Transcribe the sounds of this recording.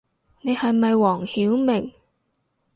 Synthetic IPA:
ne˨˧jhɐ˨jmɐ˨jwɔː˨˩ŋhiː˨˥wmɪ˨˩ŋ

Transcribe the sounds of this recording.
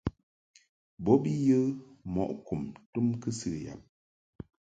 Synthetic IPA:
bɔ˦bi˦jə˦mɔ̰˨ʔku˨mtu˦mkɨ˦sɨ˨ja̰˨p̚

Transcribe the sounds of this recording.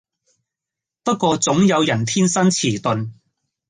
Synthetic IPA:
pɐ˥t̚kːʷɔː˧t͡sʊ˨˥ŋjɐ˨˧wjɐ˨˩nt̪ʰiː˥nsɐ˥nt͡sʰiː˨˩t̪ɵ˨˧n

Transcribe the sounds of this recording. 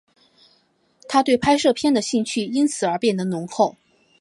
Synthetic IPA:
t̪ʰa˥t̪we˥˩ɪpʰa˥ɪʂɤ˥˧˩pʰjɛ˥nd̪ə˨ɕi˥˧ŋt͡ɕʰy˥˩i˥nt͡sʰɹ̩˨˩ə˞˧˥pjɛ˥˩nd̪ə˩nʊ˧˥ŋxo˨˩ʊ

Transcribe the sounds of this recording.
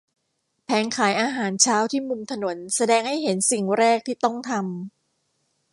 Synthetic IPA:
pʰɛː˩˦nkʰaː˩˦jʔaː˧ɦaː˩˦nt͡ɕʰaː˦˥wt̪ʰiː˥˩mu˧mt̪ʰa˧no˩˦nsa˧dɛː˧ŋha˥˩jɦe˩˦nsi˨˩ŋɾɛː˥˩k̚t̪ʰiː˥˩t̪ɔ˥˩ŋt̪ʰa˧m

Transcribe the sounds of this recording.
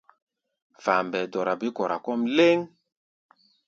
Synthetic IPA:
fa˨mbɛ˨dɔ˨ɾa˨bi˦kɔ˨ɾa˨kɔ˦mle˦ŋ

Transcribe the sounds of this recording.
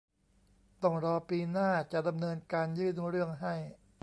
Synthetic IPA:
t̪ɔ˥˩ŋɾɔː˧piː˧naː˥˩t͡ɕa˨˩ʔda˧mnɤː˧nkaː˧njɯː˥˩nɾɯ˥˩əŋɦa˥˩j

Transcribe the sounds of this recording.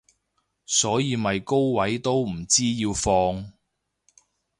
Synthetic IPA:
sɔː˨˥jiː˨˧mɐ˨jko˥wwɐ˨˥jt̪o˥wm̩˨˩t͡siː˥jiː˧wfɔː˧ŋ

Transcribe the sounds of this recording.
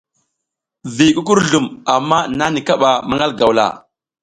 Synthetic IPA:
vi˨ku˦k̬u˦ɾɮu˨ma˨mːa˦na˦ni˨ka˦ɓa˨ma˦ŋɡa˦lɡa˨wla̰˨

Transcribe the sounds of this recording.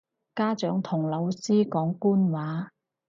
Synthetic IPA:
kaː˥t͡ʃœː˨˥ŋt̪ʰʊ˨˩ŋlɐ˨˧wsiː˥kɔː˨˥ŋkuː˥nwaː˨˥

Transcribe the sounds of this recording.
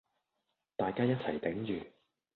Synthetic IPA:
t̪aː˨jkaː˥jɐ˥t̚t͡sʰɐ˨˩jt̪ɛ˨˥ŋɥyː˨

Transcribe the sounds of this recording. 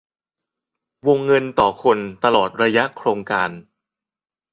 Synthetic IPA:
wo˧ŋːɤ˧nt̪ɔː˨˩kʰo˧nt̪a˧lɔː˨˩t̪̚ɾa˧ja˦˥ʔkʰɾoː˧ŋkaː˧n

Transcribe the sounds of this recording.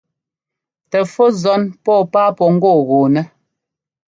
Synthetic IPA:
tɛ˨fo˦zɔ˨˦npɔː˦˨paː˦pɔ˨ŋ̩˦ɡɔ˦˨ɣoː˨nɛ˦

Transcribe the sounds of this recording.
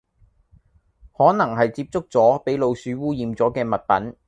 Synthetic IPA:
hɔː˨˥nɐ˨˩ŋɦɐ˨jt͡siː˧p̚t͡sʊ˥k̚t͡sɔː˨˥pe˨˥jlo˨˧wsyː˨˥wuː˥jiː˨mt͡sɔː˨˥kɛː˧mɐ˨t̚pɐ˨˥n

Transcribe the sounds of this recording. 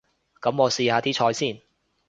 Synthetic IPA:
kɐ˨˥mɔː˨˧siː˧haː˨˧t̪ʰiː˥t͡ʃʰɔː˧jsiː˥˩n

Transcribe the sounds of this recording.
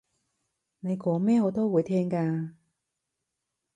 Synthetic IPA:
ne˨˧jkɔː˨˥mɛː˥ŋo˨˧˥t̪o˥wuː˨˧jt̪ʰɛː˥ŋkaː˧

